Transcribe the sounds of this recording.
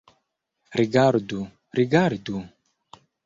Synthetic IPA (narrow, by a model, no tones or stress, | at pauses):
ɾiɡaɾd̪u | ɾiɡaɾd̪u